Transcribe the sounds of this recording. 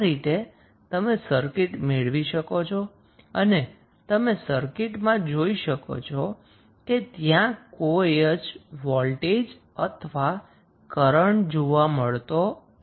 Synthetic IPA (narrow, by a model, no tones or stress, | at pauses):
ɾit̪e | t̪əmesəɾkɪʈmeɭʋiʃəkot͡ʃʰɔ | əne | t̪əmesəɾkɪʈmãd͡ʒoiʃəko̰t͡ʃʰɔ | ket̪jãkojəd͡ʒʋɔlʈed͡ʒ | ət̪ʰʋa | kəɾəɳd͡ʒoʋaməɭt̪o